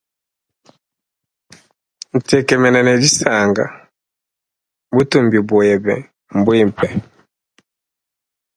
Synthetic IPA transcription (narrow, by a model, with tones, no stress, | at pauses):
n̩˨tɛ˨kɛ˨mɛ˨nɛ˨nɛ˨di˦sa˨ŋɡa̰˨ | bu˦tu˨mbi˨bu˨ɛ˨bɛ̰˨ | m̩˨bwi˦m˨pɛ˨